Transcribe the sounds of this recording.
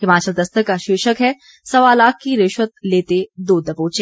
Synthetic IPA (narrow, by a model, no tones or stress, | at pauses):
hɪmaːt͡ʃəld̪ɐst̪əkaʃɪːʃəkɦɛ | sɐʋaːlaːkːiɾeːʃʋət̪̚leːt̪ed̪oːd̪ɐpoːt͡ʃẽ